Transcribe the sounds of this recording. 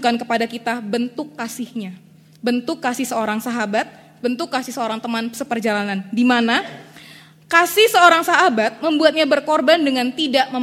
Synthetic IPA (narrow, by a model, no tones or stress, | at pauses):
kankəpadakit̪abənt̪ʊkːasɪhɲa | bənt̪ʊkːasɪhsəoɾaŋsaɦabat̪̚ | bənt̪ʊkːasɪhsəoɾaŋt̪əmansəpərd͡ʒalanandimana | kasɪhsəoɾaŋsaɦabat̪̚məmbuat̪̚ɲabərkorbandəŋant̪idaʔməm